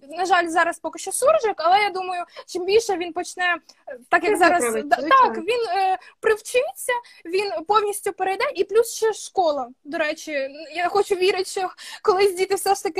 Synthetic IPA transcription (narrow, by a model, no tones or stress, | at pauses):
nɐʒɑlʲzɑɾɐspɔkɪʃt͡ʃɔsurʒɪkɐlˠɛjad̪umɐjʊt͡ʃɪmbʲilʲʃɛʋʲinpɔt͡ʃnɛt̪ɑkjɐkzɑɾɐst̪ɑkʋʲinːpɾɪwt͡ʃɪt͡sʲːɐ | ʋʲinpɔwnʲisʲtʲʊpeɾɐjd̪ɛʔiplʲusʃt͡ʃɛʃkɔlˠɐd̪ɔɾɛt͡ʃɪjaxɔt͡ʃʊʋʲiɾɪtʲʃɔkɔlˠɪzʲdʲit̪ɪwsɛʃt̪ɐkɪ